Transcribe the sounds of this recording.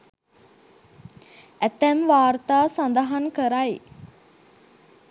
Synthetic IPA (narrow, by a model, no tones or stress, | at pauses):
æt̪æmʋaːrt̪aːsand̪aɦankəɾaj